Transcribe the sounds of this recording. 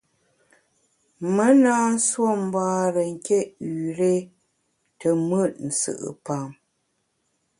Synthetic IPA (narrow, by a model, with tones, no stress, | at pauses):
mə˦naː˦n̩˦swo˦˨m˦baː˦ɾə˨ŋ̩˨ke˦ʔʉ˨ɾe˦ | tə˨mə˦˨t̚n̩˨sɨ̰˨ʔə̰˨pa˨m